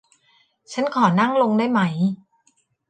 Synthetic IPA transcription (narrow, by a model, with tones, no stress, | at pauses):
t͡ɕʰa˦˥nkʰɔː˩˦na˥˩ŋlo˧ŋdaː˥˩jma˦˥j